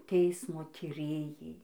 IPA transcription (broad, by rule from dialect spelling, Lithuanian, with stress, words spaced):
ˈtʲɛɪsmoː tʲiːˈrʲeːjɛɪ